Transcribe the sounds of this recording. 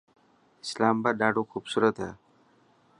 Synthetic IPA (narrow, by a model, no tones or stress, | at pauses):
ɪ̥slaːmbaːd̪ɖaːɖokʰuːbsuːɾət̪ɦɛː